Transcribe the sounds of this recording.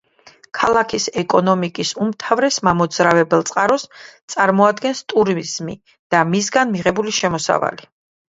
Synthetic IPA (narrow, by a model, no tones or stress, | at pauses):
kʰalˠakʰisɛkʼɔnɔmikʼisumt̪ʰavɾɛsmamɔd̪zɾavɛbɛlˠt̪sʼqʼaɾɔst̪sʼaɾmɔad̪ɡɛnst̪ʼuɾizmḭ | d̪̥amisɡanmiʁɛbuliʃɛmɔsa̰va̰li